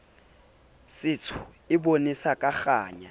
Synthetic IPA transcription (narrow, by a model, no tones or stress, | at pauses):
sɪt͡sʰʊ̥ | ɪbonisakʼaχaːɲa